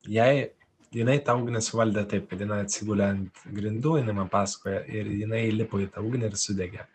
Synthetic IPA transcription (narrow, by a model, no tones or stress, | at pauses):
jɛɪ | jɪnɐɪt̪ɐuːɡnʲɛsʊʋɐlʲd̪ʲɛt̪ɐɪp̚kɐt̪jɪnɐɪɐt̪ʲsʲɪɡuːlʲɛnt̪ɡɾʲɪnd̪uːjɪnɐɪmɐnpɑːsɐ̥koːjɛʔɪɾjɪnɐɪlʲɪpoːɪt̪ɐuːɡnʲɛɪrsʊd̪ʲɛɡʲɛ